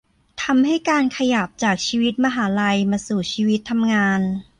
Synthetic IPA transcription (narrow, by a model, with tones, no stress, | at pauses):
t̪ʰa˧mha˥˩jkaː˧nkʰa˧ja˨˩p̚t͡ɕaː˨˩k̚t͡ɕʰiː˧wi˦˥t̪̚ma˧ɦaː˩˦la˧jmaː˧suː˨˩t͡ɕʰiː˧wi˦˥t̪ʰːa˧mŋaː˧n